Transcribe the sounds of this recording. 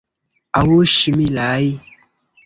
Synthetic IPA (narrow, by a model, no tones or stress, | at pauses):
awoʃimilaji